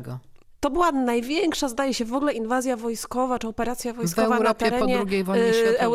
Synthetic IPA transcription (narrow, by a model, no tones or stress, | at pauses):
ɡɔ | t̪ɔbɘwanajvʲjɛŋkʂazd̪ajɛɕɛvɔɡlɛʔinvazʲjavɔjskɔvat͡ʂɘɔpɛɾat̪sʲjavɔjskvɔɛvaɾɔt̪ɛɛɾɛɔdɲɛɾuɡʲejvɔɛw